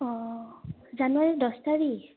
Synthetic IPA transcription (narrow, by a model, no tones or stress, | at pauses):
ɔ | zanwaɹidɔstaɹi